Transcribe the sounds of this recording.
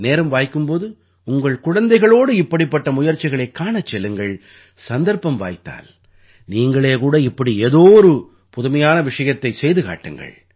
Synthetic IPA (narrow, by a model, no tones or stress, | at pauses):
neːɾɐmʋaːjkːɯmpoːðɯ | ʊŋɡɐɭkʊɻɐnd̪ɐɪɣɐɭoːɽɯɪpːɐɽipːɐʈːɐmʊjɐɾt͡ʃːɪɣɐɭɐɪkːaːɳɐt͡ʃːɛlːɯŋɡɐɭ | sɐnd̪ɐɾpɐmʋa̰ːjt̪ːa̰ːl | niːŋɡɐɭeːkuːɽɐɪpːɐɽieːðoːɾɯ | pʊðʊmɐjaːnɐʋɪʂɐjɐt̪ːɐɪsɛjðɯka̰ːʈːɯŋɡɐ̰ɭ